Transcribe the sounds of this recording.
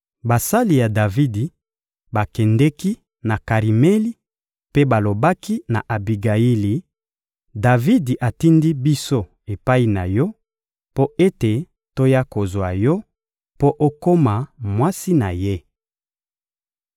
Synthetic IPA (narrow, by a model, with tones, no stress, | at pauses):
ba˨sa˦li˨ja˨da˨vi˦di˨ | ba˨kɛ˨ndɛ˦ki˦ | na˨ka˨ʁi˨mɛ˦li˦ | pe˦ba˨lo˨ba˦ki˦na̰˨ʔa˨bi˨ɡa˨i˦li˨ | da˨vi˦di˨ʔa˨ti˦ndi˦bi˦so˦ | e˨pa˦i˨na˨jɔ˦ | po˦e˦te˨ | to˦ja˦ko˨zwa˨jɔ˦ | po˦ʔo˦ko˦ma˨mwa˦si˦na˨je˦